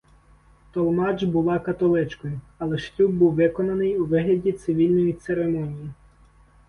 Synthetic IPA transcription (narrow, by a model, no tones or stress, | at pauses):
t̪ɔlˠmɑd͡ʒbʊlˠɑkɐt̪ɔlˠɪt͡ʃkɔjʊ | ɐlˠɛʃlʲub̚buwʋɪkɔnɐnɪjuʋɪɦlʲɐdʲit̪sɪʋʲilʲnɔjit̪seɾemɔnʲiji